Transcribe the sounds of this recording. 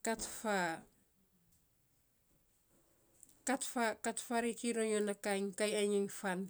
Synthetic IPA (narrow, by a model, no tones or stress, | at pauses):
katfa | katfakatfaɾikiɾoɲonakaŋkajaɲiŋfan